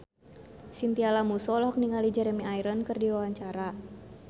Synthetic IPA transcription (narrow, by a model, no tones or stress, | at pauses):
sint̪ialamusɔlɔɦɔk̚niŋalid͡ʒɛɾɛmiaiɾənkɨrdiwawaɲt͡ʃaɾa